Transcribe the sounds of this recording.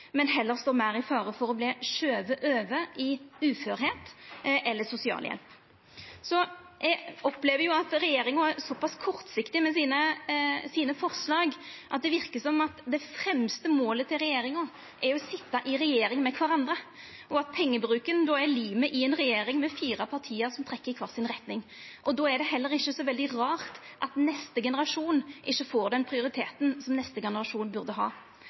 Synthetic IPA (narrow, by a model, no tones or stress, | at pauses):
mɛnɦɛlːəɾst̪oːmæɾɪfɑːɾəfɔɾɔbleːʃøːʋəʔøːʋəʔɪʉːføːɾheːt̪ʔɛlːəsʊsɪɑ̰ːljɛ̰lp | sɔ | ʔɛɡɔpleːʋəɾjʊɑt̪ɾɛjeːɾɪŋʊæɾsɔpɑskʰɔɾt̪sɪkt̪ɪmɛsiːnəsiːnəfɔɾʂlɑːɡʔɑt̪̚d̪ɛʋɪɾkəsɔmɑt̪d̪ɛfɾɛmst̪əmoːlət̪ʰɪlɾɛjeːɾɪŋʊ | ʔɛɾɔsɪt̪ːɑʔɪɾɛjeːɾɪŋmɛkʰʋɑɾɑnd̪ɾə | ʔɔɑt̪̚pʰɛŋːəbɾʉːkənd̪ɔːɛɾliːməʔɪɛnʁɛjeːɾɪŋmɛfiːɾɑpʰɑʁt̪ʰiːəɾsɔmt̪ʰɾɛkːəɾkʰʋɑːʁsɪnʁɛt̪nɪŋʔɔd̪ɔːɛɖ̪ɛɦɛlːəɾɪçːəsɔʋɛld̪ɪʁɑːʁt̪ʔɑt̪nɛst̪əɡɛnəɾɑʂuːnʔɪʃːəfoːɾd̪ɛnpʰʁɪʊɾɪt̪ʰeːt̪nsɔmnɛst̪əɡɛnəɾɑʂuːnbʉʁd̪əɦɑ̰ː